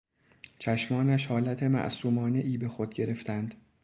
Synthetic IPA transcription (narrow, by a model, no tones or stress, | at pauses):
t͡ʃʰæʃmɒːnæʃhɒːlæt̪ʰe̞mæ̰ʔsuːmɒːne̞ʔiːbe̞xod̪̚ɟe̞ɾe̞ft̪ʰænd̪̥